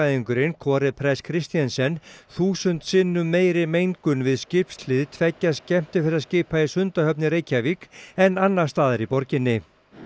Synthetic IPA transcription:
aðiŋkʏɾɪnkʰɔːɾɪpʰɾɛskʰɾɪst̪ijansɛnθuːsʏnt̪sɪnːʏmːeːjɾɪmejŋkʏnvɪðscɪpslɪðt̪ʰvɛcːaðscɛm̥t̪ɪfɪɾɪascɪːpaisʏnt̪ahœpnɪɾeːjcʰavikɛnːanːḁst̪aːðɪɾipɔɾcɪnːɪ

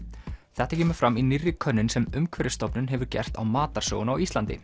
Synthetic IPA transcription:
θɛht̪acɛːmʏɾ̥fɾaminirːɪkʰœnːɪnsɛmʏmkʰvɛɾɪst̪ɔpnʏnɦɛvʏɾcɛ̰r̥t̪a̰wmaːt̪aɾ̥sœ̰ːɣʏnawist̪lant̪ɪ̰

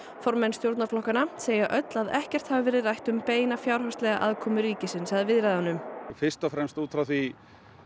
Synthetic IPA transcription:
fɔɾmɛnst̪jowɾt̪naflɔhkanaseːjaʔœt̪laðɛhcɛr̥t̪havavɛːɾɪðrajht̪ʏmpeːjnafjawɾ̥hœst̪lɛɣa̰ʔaðkʰɔːmʏɾiːcɪsɪnsaðvɪðɾajðanʏmfɪɾ̥st̪ɔfɾɛmst̪uːt̪ʰɾawθi

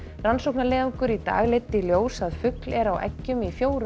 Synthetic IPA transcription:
ransowknalɛːðʏŋkʏɾit̪a̰ːɣlɪt̪ːɪljoːwsaðfʏklɛɾawʔɛ̰cːʏmifjoːwɾ

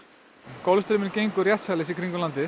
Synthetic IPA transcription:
kɔlst̪ɾmɪnɾcʲejŋkʏɾjat̪salɪsikʰɾiŋkʏnlant̪ɪ

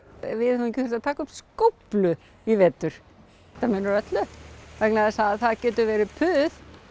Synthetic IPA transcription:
vɪðhɛvmicɪfɛɾst̪at̪ʰaːkʏmskowplʏ | ivɛːt̪ːʏɾ̥ | ɛ̥t̪ːamʏːnʏɾœt̪lʏvɛknaðɪsaθaðcɛːt̪ʏvɛːɾɪpʰʏːð

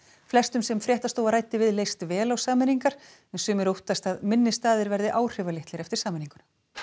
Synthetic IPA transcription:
flɛst̪ʏmsɛmfɾjɛht̪ast̪oːwvaɾaːjt̪ɪvɪðleːjst̪vɛːlawsaːmɪniŋkaɾ̥ | ɛnsʏːmɪɾowht̪ast̪aðmɪnːɪst̪aːðɪɾvɛɾðɪʔaːwr̥ʏvalɪht̪lɪɾɛft̪ɪɾsaːmɪniŋkʏna

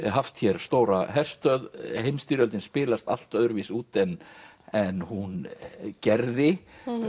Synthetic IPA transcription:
ɦaft̪çɛɾ̥st̪oːwɾa̰ɦɛr̥st̪œðhejmst̪iːɾœlt̪ɪnspɪːlast̪a̰l̥t̪œðʏɾvisuːt̪ɛnɛnhuncɛɾðɪ

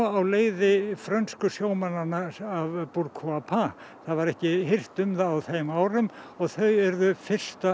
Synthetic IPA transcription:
awleːjðɪfɾœnskʏsjoːwmananaavpuɾkʰuapʰa | θaðvaɾɛhcɪɦɪr̥t̪ʏmðaːwθejmaːwɾʏm | ɔɣθœɥɛɾðʏfɪr̥st̪a

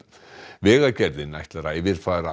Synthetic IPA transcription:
vɛːɣacɛɾðɪnajht̪laɾaɪvɪɾ̥faːɾa

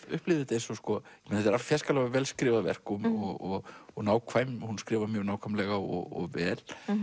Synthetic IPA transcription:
ʏhplɪðɪt̪ejɾsɔskɔjɛmenhɛt̪ɛɾaft̪fjɛskalɛɣavɛːlskɾɪːvaðvɛ̰r̥kɔmɔɣɔɣɔɣnaːwkʰv̥aːjmhunskɾɪːvamjœɣnaːwkʰamlɛɣaɔ̰ɣɔ̰ɣvɛːl

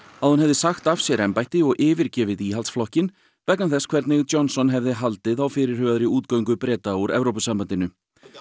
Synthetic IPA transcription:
aðhanhɛvðɪsaxt̪avsjɛɾɛmpajht̪ɪɔɣʔɪːvɪɾ̥cɛːvɪðiːɦalt̪sflɔhcɪn | vɛknamθɛskʰv̥ɛɾt̪nɪɣɔnsɔnɦɛvðɪɦalt̪ɪðawfɪɾɪɾ̥hœːaðɾiuːt̪kaːwɥŋkʏpɾɛːt̪auɾʔɛ̰vɾowpʏsampant̪ɪnʏ

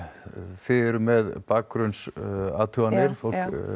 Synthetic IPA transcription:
θɪɾmɛðpaːk̚ːɡɾʏnsa̰ːt̪ʰuanɪɾ̥fow̪k

